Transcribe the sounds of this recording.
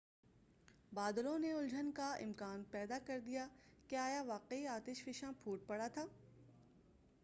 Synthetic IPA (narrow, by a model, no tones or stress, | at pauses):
baːd̪lõneʊld͡ʒʱənkaɪ̰̃mkaːnpɛːd̪akɐɾd̪ijakeaːjaʋaːqeiaːt̪ɪʃfɪʃãpʰuːʈ̚pɐɽat̪ʰaː